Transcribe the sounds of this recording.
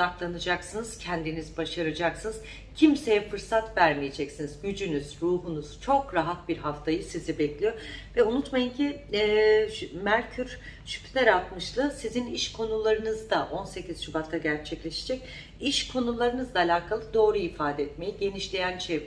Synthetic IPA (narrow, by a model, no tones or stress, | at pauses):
aklˠanɯd͡ʒaksɯnɯz̥cʰɛnd̪inizbaʃaɾad͡ʒaksɯnɯz | cʰimse̞jɛfɯɾsat̪væɾmije̞d͡ʒɛcsinizɟyd͡ʒynyz̥ɾuːɦunuz̥t͡ʃʰo̞kɾaɦat̪̚biɾɦaft̪ʰajɯsizibɛclʲijo̞vɛunut̪majɯncʰiɛːmæɾcʰyɾ | ʃy̥pʰt̪ɛɾalˠt̪mɯʃlˠɯsiziniʃkʰo̞nulˠaɾɯnɯzd̪aʔo̞nse̞ciz̥ʃubat̪ʰːaɟæɾt͡ʃʰɛclʲe̞ʃed͡ʒɛc̚ | iʃkʰo̞nulˠaɾɯnɯzd̪aːlʲaːkʰalˠɯd̪o̞ːɾuifaːd̪ɛɛt̪me̞jiɟe̞niʃlʲejænt͡ʃʰe